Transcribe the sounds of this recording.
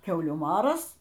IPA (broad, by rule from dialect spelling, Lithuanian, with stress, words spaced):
ˈkʲɛʊlʲuː ˈmɑːrɐs